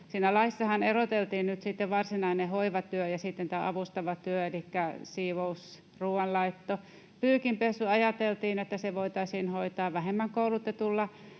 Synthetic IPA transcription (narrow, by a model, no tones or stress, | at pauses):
siːnælɑisːɑhɑnerot̪elt̪iːnnyt̪sit̪ːeʋʋɑrsinɑinehoiʋɑt̪yøjɑsit̪ːent̪æːʔɑʋust̪ɑʋɑt̪yøelikːæsiːʋous | ruːwɑnlɑit̪ːo | pyːkimpesuɑjɑt̪elt̪iːnet̪ːæseʋoit̪ɑisiːnhoit̪ɑːʋʋæhemːæŋkoulut̪et̪ulːɑ